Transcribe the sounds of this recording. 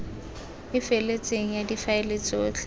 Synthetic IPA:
ɪfelet͡sʼeŋ̩jadifaelet͡sʼoːt͡ɬʰ

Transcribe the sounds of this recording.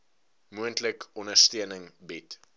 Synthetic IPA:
muəntləkɔndərstiənəŋbɛt

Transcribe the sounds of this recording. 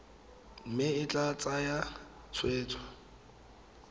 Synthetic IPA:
m̩mɪɪt͡ɬʼat͡sʼaja | t͡sʰweːt͡sʰʼwa

